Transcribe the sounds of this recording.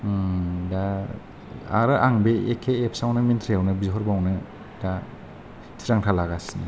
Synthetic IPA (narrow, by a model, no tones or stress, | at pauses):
da | aɾɯʔaŋbeḛkʰːeep̚ʰsawnɯmintʰɾiawnɯbiɦɔɾbawnɯ | da | tʰiɾaŋtʰalaɡasini